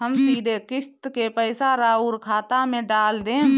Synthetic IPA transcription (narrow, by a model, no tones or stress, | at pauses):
ɦəmsiːd̪ekɪst̪kepɛːsaɾaːuːlkʰaːt̪amẽɖaːld̪ẽː